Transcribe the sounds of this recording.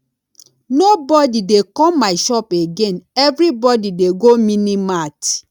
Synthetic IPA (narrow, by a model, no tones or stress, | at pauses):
nobɔdidekɔmaɪʃɔpeɡenɛvɾibɔdideɡominimat